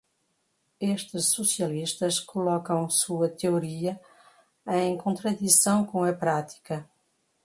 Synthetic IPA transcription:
eʃt̪ɨʃsusiɐliʃt̪ɐʃkulɔkɐ̃w̃suɐt̪euɾiɐ | ẽj̃kõnt̪ɾɐðisɐ̃w̃kõɐpɾat̪i̥kɐ

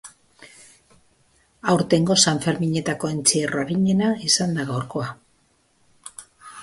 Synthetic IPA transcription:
awɾt̪e̞ŋɡo̞saɱfe̞ɾmiɲe̞t̪ako̞ent͡sieroɾiɲe̞naisand̪aɣawɾko̞a

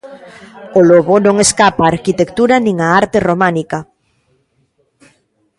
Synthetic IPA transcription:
oloβonõŋeskapaːɾkit̪ekt̪uɾanĩŋaaɾt̪eromanika

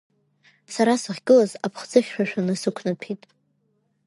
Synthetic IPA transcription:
saɾasɨʁʲɡɨlazapʰχd͡zɨχʲʃʷᶣaʃᶣanɨsɨkʷʰnapʰitʼ

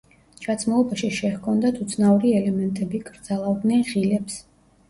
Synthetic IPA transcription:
t͡ʃʰat̪sʰmulˠɔbaʃiʃɛhkʰɔnd̪at̪ʰut̪sʰnauɾiɛlɛmɛnt̪ʼɛbikʼɾd̪zalˠavd̪nɛnʁilɛps

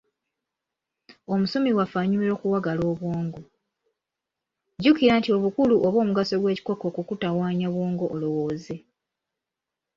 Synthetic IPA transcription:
o̞musomiwafaɲumiɾo̞ːkuwaɡalo̞ːβwoːŋɡo | ɟukiɾantio̞βukuluʔoβo̞ːmuɡaso̞ɡwe̞ːci̥ko̞kokukutawaːɲaβwoːŋɡoʔolo̞wo̞ːze̞

